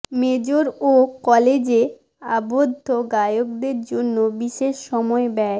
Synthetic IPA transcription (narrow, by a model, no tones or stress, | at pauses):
med͡ʑoɾokɔled͡ʑe | abod̪ʱːoɡajok̚d̪eɾd͡ʑonːobiʃeʃːɔmɔebɛ